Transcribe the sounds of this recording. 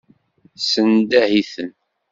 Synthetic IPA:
sənd̪æhiθən

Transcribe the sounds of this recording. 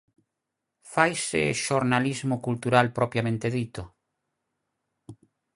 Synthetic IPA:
fajsɪʃoɾnalizmʊkult̪uɾalpɾɔpjamẽnt̪eðit̪o

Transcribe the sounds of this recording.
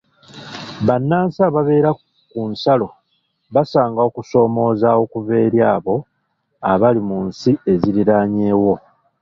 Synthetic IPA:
βanːaːnsaːβaβe̞ːɾa | kunsalo̞ | βasaːŋɡaokuso̞ːmo̞ːzawo̞kuβe̞ːɾjaːβo̞ | aβalimunsie̞ziɾiɾaːɲeːwo̞

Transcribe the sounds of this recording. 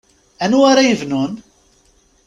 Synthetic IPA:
ænuaɾajəvnun

